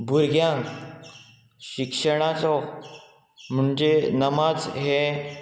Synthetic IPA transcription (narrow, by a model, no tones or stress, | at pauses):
bʱuɾɡjãŋk | ɕikʂəɽ̃at͡sɔ | m̤uɳd͡ʑenəmad͡zɦe